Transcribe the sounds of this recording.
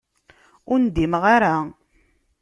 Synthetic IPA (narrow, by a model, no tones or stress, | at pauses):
ʊɾnd̪imʁaɾa